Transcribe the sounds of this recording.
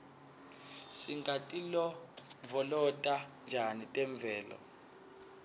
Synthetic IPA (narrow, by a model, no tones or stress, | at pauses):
siŋɡʱatʼilɔvɔlɔtʼand͡ʒʱanitʼɛɱb̪vʱɛːlɔ̰